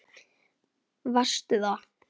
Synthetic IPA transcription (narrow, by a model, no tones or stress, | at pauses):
vast̪ʏða